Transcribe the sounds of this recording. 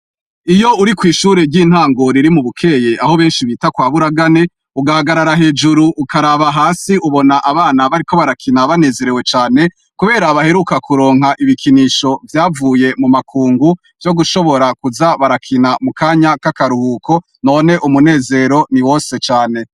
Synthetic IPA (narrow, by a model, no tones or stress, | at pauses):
ijo̞uɾikwiːʃuːɾe̞ɾɟiːn̥haːŋɡo̞ɾiɾimuβukʰe̞ːje̞ʔaho̞βe̞ːnʃiβiːtakwaːβuɾaɡane̞ | uɡaaɡaɾaɾaɦe̞ːd͡ʒuɾuʔːkaɾaβaɦaːsiʔuβo̞naʔaβaːnaβaɾiko̞βaɾakʰinaβane̞ːze̞ɾe̞we̞t͡ʃaːne̞ | kuβe̞ːɾaβahe̞ɾukakʰuɾo̞ːŋɦaʔiβikʰiniʃo̞vjaːvuːje̞mumakʰuːŋɡu | vjo̞ɡuʃo̞βo̞ɾakuzaβaɾakʰinamukaːɲakakaɾuhuːkʰo̞ | no̞ːne̞ʔumune̞ːze̞ɾo̞niwo̞ːse̞t͡ʃaːne̞